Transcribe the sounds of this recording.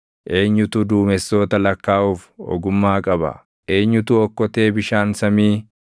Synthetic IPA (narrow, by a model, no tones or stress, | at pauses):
ʔe̞ːɲːʊt̪ʊd̪uːmɛsːo̞ːt̪ɐlɐkːaːʔuːfɔ̰ɡʊmːaːkʼɐbɐ̰ | ʔe̞ːɲːʊt̪uɔkːɔt̪e̞ːbɪʃaːnsɐmiː